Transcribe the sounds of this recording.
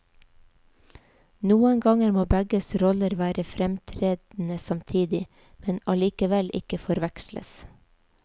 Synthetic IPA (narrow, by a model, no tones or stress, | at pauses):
nuːəŋɡɑŋəɾmoːbæɡəsɾɔləɾʋæːɾəfɾɛmt̪ʰɾeːd̪n̩əsɑmt̪ʰiːd̪ɪ | mɛnɑliːkəʋɛlʔɪ̰kəfɔɾʋækʃlə̰s